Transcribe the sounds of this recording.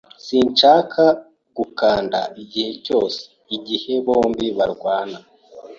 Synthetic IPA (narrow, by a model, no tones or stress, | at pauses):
siːɲt͡ʃaːkʰa | ɡ̥ukaːnda̰iɟihe̞co̞ːse̥iɟihe̞βo̞ːmbiβaɾɡwaːna